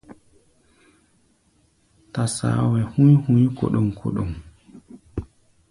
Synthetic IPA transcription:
tasa̰ːwɛhujhujkɔ̰ɗɔmkʰɔ̰ɗɔm

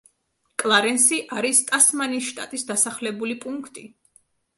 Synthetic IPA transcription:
kʼlˠaɾɛnsiʔaɾist̪ʼasmanisʃt̪ʼa̰t̪ʼisd̪asaχlɛbulipʼuŋkʰt̪ʼi

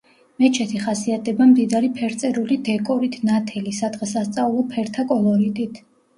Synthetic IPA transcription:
mɛt͡ʃʰɛt̪ʰiχasiat̪̚ʰdɛbamd̪id̪aɾipʰɛɾt̪sʼɛɾulid̪ɛkʼɔɾit̪ʰnat̪ʰɛlisad̪ʁɛsast̪sʼaulˠɔpʰɛɾt̪ʰakʼɔlˠɔɾit̪ʼit̪ʰ

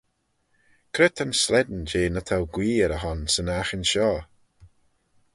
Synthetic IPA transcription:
kʰɾɪt̪ʰanslɛd̪nd͡ʒeːnət̪ʰawɡwiːɛɾəɦɔnsənaxənʃɔː

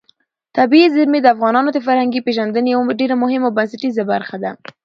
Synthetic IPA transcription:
t̪abiizɪɾmed̪əafɣɑnɑnod̪əfaɾhaŋɡipeʒand̪ənjawɖeɾamʊɦɪmawbansaʈizabaɾxad̪a

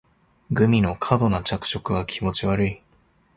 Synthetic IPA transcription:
ɡɯ̟mʲino̞kʰad̪o̞nat͡ɕakɯ̟̥ɕo̞kɯ̟β̞akʲʰimo̞t͡ɕiβaɾɯ̟i

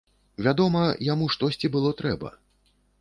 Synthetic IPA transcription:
vʲad̪ɔmɐjamuʂt̪ɔsʲt͡sʲibɨlˠɔt̪ɾɛbɐ̰

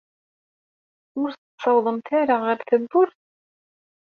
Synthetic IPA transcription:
mʊɾsəsˤɑwðˤəmt̪aɾaʁəɾθəbːʊɾθ

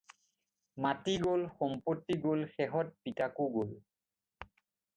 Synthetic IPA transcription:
matiɡolxɔmpotːiɡolxɛɦɔt̚pitakuɡol

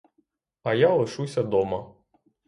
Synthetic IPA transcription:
ɐjalˠɔʃusʲɐd̪ɔmɐ

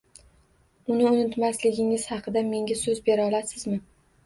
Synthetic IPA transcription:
ʊnɪʊnɪt̪maslɪɡʲɪŋɪz̥hɑqʰɨd̪ame̞ŋʲasɵzbe̞ɾɒlasɪzmɪ

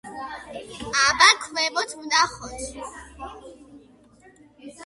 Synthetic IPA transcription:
abakʰvɛbɔt̪ʰud̪aχɔt̪ʰ

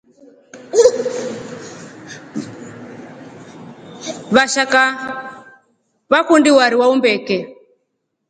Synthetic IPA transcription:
βaʃaka | βakundiwaɾiwaumbɛkɛ

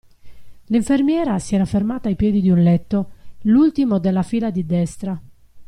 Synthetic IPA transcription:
liɱfermjɛːɾasiɛːɾafermaːt̪aːjpjɛːd̪id̪iunlɛt̪ːolult̪imod̪elːafiːlad̪id̪ɛst̪ɾa

